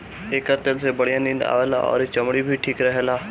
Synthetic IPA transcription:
eːkəɾt̪elsebɐɽijãːnĩːnd̪a̰ːʋeːla̰ɔ̰ːɾt͡ʃɐmɽibʱiʈʰiːkɾɐɦelaː

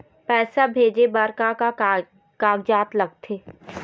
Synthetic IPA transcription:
pɛːsabʱeːd͡ʒebəɾkaka | kaːɡd͡ʒaːt̪lɐɡ̚t̪ʰeː

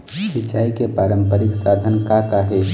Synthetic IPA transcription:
sit͡ʃːaːikepaːɾəmpəɾiksad̪ʱənkakaɦe

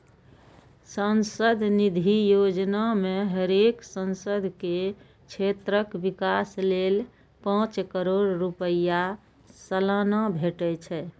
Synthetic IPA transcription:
sənsəd̪ʱnid̪ʱijod͡ʒnameɦəɾeksənsəd̪ʱke | t͡ʃʰet̪ɾəkbikaslel | pãt͡ʃkəɾoɽɾupəja | səlanabʱeʈət͡ʃʰɛ

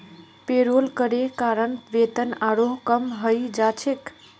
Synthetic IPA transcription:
peɾolkəɾekaɾənʋet̪ənaɾoɦkəmɦəjd͡ʒat͡ʃʰek

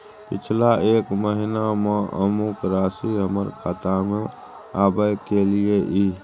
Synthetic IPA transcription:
pɪt͡ʃʰlaeːkməɦinamẽʔə̰mʊkɾaːsiɦəməɾkʰaːt̪amẽ | aːbəjkelieʔiː

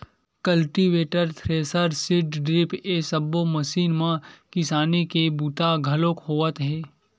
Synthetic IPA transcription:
kɐlʈiʋeːʈəɾt̪ʰɾeːsəɾsɪɖɖɾɪpesəbːomɐʃiːnmãkɪsaːnekebut̪aɡʱɐlõkɦoːət̪ɦɛ̃ː

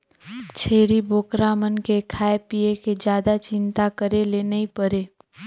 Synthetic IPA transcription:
t͡ʃʰeːɾibʱoːkɾaːmənkekʰaːepijeked͡ʒjaːd̪at͡ʃɪ̃nt̪akəɾelenɐipəɾeː

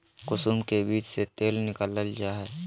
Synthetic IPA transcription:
kʊsumkebiːt͡ʃset̪eːlnɪkələld͡ʒaːɦɛː

